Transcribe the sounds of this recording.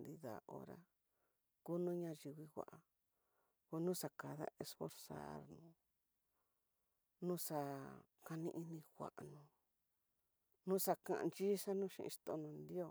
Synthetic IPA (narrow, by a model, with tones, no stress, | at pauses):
nd̪i˧ða̰˨o̰˧ɾa̰˧ | ku˦nũː˦ɲã˧ʒi˧wi˧wʷa̰˧˨ʔa˧ | o˧nũ˦sa˧ka˨ða̰˦ʔe˧sfo˧ɾsa̰˦˨ɾnũ˨˦ | nũ˦sa˧ | ka˧nĩ˧ʔi˧nĩ˧xʷa̰˨ʔnũ˨ | nũ˦sa˧kã̰˧ʔnt͡ʃi˦sa˦nũː˦ʃḭ̃˧ʔḭ̃˧ʂt̪o˧nũ˧nd̪i˦o˦˧˨